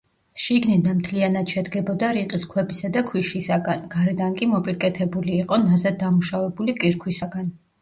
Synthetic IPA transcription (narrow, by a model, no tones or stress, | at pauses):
ʃiɡnid̪amt̪ʰlianad̪̥ʃɛd̪ɡɛbɔd̪aɾiqʼiskʰwɛbisad̪akʰwiʃisaɡanɡaɾɛd̪ankʼimɔpʼiɾkʼɛt̪ʰɛbuliːqʼɔnazad̪̚ːamuʃavɛbulikʼiɾkʰwisaɡan